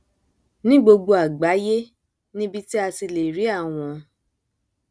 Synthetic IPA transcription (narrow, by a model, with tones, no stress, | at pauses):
nĩ˦ɡ͡bo˧ɡ͡bo˧a˨ɡ͡ba˨˦je˦ | nĩ˦bi˧ti˦a˧si˧le˨ɾi˨˦a˦˨w̃ɔ̃˨